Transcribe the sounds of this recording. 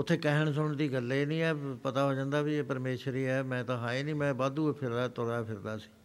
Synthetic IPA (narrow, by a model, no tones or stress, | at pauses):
ʊt̪ʰːeːkɛɦəɳs̬ʊɳd̪iːɡəlːeːnĩːɛːpət̪aːɦoːd͡ʒãːnd̪aːbieːpəɾmeːʃəɾiːɛːmɛ̃ːt̪ãːɦaːeːnĩːmɛ̃ːbaːd̪uːpʰɪɾd̪at̪ʊɾaːpʰɪɾd̪aːsi̥ː